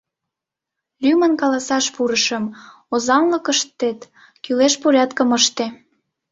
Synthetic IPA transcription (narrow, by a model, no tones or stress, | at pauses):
lymənkɑlɑsɑʃpuɾəʃə̆m | ozɑnləkəʃt̪ːet̪ | kyleʃpuɾʲɑt̪kəməʃt̪e